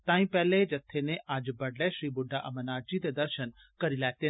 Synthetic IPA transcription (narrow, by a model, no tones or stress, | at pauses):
t̪aːĩpɛɦled͡ʒɐt̪ʰːeneʔaːd͡ʒbɐɽlɛʃɾiːbʊɖʱaʔɐmənaːd͡ʒit̪ed̪ɐɾʃən | kɐɾilaːet̪eː